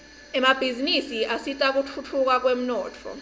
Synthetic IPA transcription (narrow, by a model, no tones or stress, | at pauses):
ɛmab̥ʱizinisiʔasitʼak̬utʰut͡fʰuk̬ak̬wem̩nɔːt͡fʰɔ̰